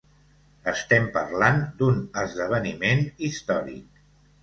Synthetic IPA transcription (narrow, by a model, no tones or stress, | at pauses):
əst̪ɛmpərland̪unəzðəβ̞ənimenist̪ɔɾḭk̚